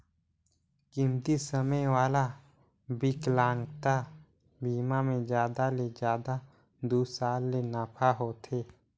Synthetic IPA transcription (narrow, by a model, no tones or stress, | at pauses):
kɪmt̪isəməjwaːla | bɪklãːŋɡt̪a | biːmamẽd͡ʒjaːd̪aled͡ʒaːd̪a | d̪uːsaːlːenaːpʰaɦoːt̪ʰeː